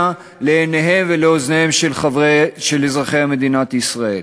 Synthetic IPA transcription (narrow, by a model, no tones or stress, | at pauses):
a | leːneɦe̞mveleoznehe̞mʃelχavʃelezʁaχejhamed̪inat̪isʁaḛl